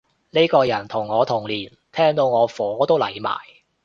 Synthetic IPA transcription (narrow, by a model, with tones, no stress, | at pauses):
ne˥jkɔː˧jɐ˨˩nt̪ʰʊ˨˩ŋːɔː˨˧t̪ʰʊ˨˩ŋliː˨˩n | t̪ʰɛː˥ŋt̪o˧wŋɔː˨˧fɔː˨˥t̪o˥wlɐ˨˩jma̰ː˨˩j